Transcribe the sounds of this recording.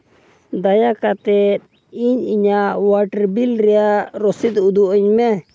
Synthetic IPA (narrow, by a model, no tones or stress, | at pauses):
d̪ajakat̪ɛt̪̚ | iɲiɲaʔʔwaʈəɾbilɾɛjaʔɾɔsit̪̚ud̪uʔɔɲmɛ